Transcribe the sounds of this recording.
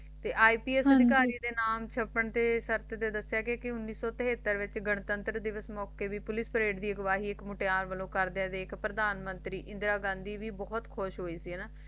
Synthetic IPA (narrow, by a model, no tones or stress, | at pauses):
t̪eːʔaːiːpiːɛːsəd̪ɪkaːɾiːd̪eːnaːmt͡ʃʰəpːəɳt̪eːʃəɾt̪d̪eːd̪əsjaːkekɪʊnːiːsɔːt̪əɦeːt̪ːəɾʋɪt͡ʃɡəɳt̪ənt̪ɾəd̪ɪʋəsmɔːkeːʋiːpʊlɪspəɾeːɖd̪iːəɡəʋaːɦiːɪkmʊʈeaːnʋəlõːkəɾd̪eãːd̪eːkpɾəd̪aːnmənt̪ɾiːʔɪ̃nd̪ɾaːɡãːnd̪iːʋiːbɔːt̪kʰoʃɦoːiːsiːɦɛnaː